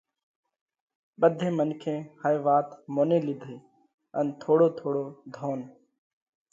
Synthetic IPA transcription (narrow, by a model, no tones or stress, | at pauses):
ɓəd̪ʱẽːmənkʰẽːhajʋaːt̪moːneːlɪd̪ʱeː | ənt̪ʰoːɽoːt̪ʰoːɽoːd̪ʱoːn